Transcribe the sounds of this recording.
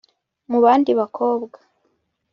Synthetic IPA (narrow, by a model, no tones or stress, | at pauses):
muβaːndiβakʰo̞ːbɡḁ